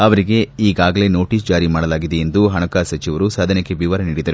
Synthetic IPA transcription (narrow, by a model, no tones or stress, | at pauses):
ɐʋɐɾiɡe̞iːɡaːɡɐle̞no̞ːʈiːs̬d͡ʒaːɾimaːɽɐlaːɡid̪eend̪uɦɐɳɐkaːsɐt͡ʃiʋɐɾusaːd̪ʱɐnekːe̞biːʋɐɾɐniːɽid̪ɐɾu